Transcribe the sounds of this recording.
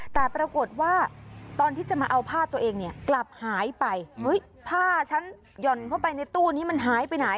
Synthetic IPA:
t̪ɛː˨˩pɾa˧ko˨˩t̪̚waː˥˩t̪ɔː˧nt̪ʰiː˥˩t͡ɕa˨˩maː˧ʔa˧wpʰaː˥˩t̪u˧ɐʔeː˧ŋni˥˩ɐkla˨˩p̚haː˩˦jpa˧jhɤ˦˥j | p̪ʰaː˥˩t͡ɕʰa˦˥n | jɔ˨˩nkʰa˥˩wpa˧jna˧jt̪uː˥˩niː˦˥ma˧nɦaː˩˦jpa˧jna˩˦j

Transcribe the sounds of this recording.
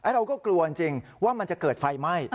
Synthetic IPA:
ʔa˦˥ɾa˧wkɔː˥˩klu˧ɐt͡ɕi˧ŋt͡ɕi˧ŋwaː˥˩ma˧nt͡ɕa˨˩kɤː˨˩t̪̚fa˧jma˥˩j

